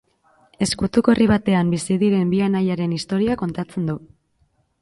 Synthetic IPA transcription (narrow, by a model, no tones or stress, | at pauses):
e̞skut̪uko̞riβ̞at̪e̞ambisiðiɾe̞mbianajaɾe̞nist̪o̞ɾiako̞nt̪at͡se̞nd̪u